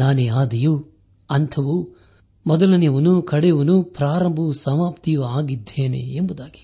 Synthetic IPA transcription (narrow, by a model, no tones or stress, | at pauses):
naːneaːd̪iju | ɐnt̪ʰɐʋu | mɔd̪ɐlɐnjɐʋɐnukʰɐɽɛjɐʋɐnupɾaːɾɐmbʱusɐmaːpt̪ijuaːɡid̪ʱːeːnḛembud̪aːɡi̥